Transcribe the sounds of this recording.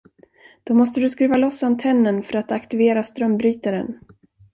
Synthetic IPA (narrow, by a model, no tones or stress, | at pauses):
d̪̥ɔmɔst̪əd̪ɵskɾʉ̟ːvalɔsːant̪ʰɛnːənfœɾat̪akt̪ɪveːɾast̪ɾœmbɾyːt̪aɾɛ̰n